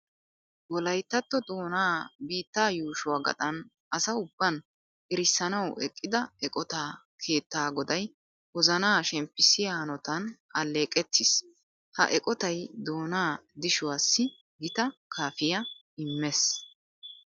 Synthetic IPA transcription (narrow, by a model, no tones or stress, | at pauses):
wɔlɐjt̪ːɐt̪ːɔd̪o̞ːnaːbiːt̪ːaːjuːʃʊwaːɡɐ̰t̪ʼɐn | ɐsɐʊbːɐn | ʔɪɾɪsːɐnɐwɛ̰kʼːɪd̪ɐɛkʼɔt̪aː | kʰe̞ːt̪ːaːɡɔd̪ɐj | wɔzɐnaːʃɛmpːɪsɪjaːnɔt̪ɐn | ɐlːe̞ːkʼɛt̪ːɪs | hɐ̰ʔɛkʼɔt̪ɐjd̪o̞ːnaːd̪ɪʃʊwaːsːɪ | ɡɪt̪ɐkʰaːfɪjɐ | ɪmːɛs